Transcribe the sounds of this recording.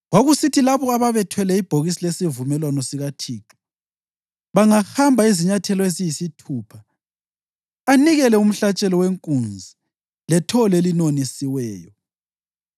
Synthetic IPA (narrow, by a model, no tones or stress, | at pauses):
waɣusitʰilaβɔaβaβɛtʰwɛlɛib̥ʱoɣisilesivumɛlwanɔsiɣatʰiːǁi̥ | βaŋahambʱaiziɲatʰɛlɔezijisitʰuːpʰa | niɣɛlɛum̩ɬat͡ʃʼɛlɔweŋkʼund͡zʱi | lɛtʰɔlelinonisiwɛːjɔ